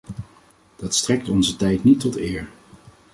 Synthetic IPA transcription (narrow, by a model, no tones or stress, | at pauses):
d̥ɑtstrɛk̚tɔnzətɛjtnitːɔtɪːɹ